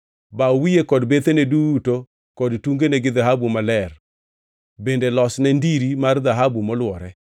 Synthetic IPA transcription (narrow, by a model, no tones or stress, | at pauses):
bawijekɔdbet̪eneduto | kɔdtuŋɡeneɡɪðaɦabumalɛr | bendelɔsnɛndiɾimard̪aɦabumɔlwɔɾɛ